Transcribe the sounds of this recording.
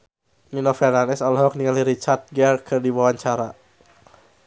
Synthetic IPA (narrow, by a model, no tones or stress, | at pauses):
ninofɛrlanɛsɔlɦɔk̚niŋaliɾit͡ʃart̪̚ɡɛrkʰərdiwawaɲt͡ʃaɾa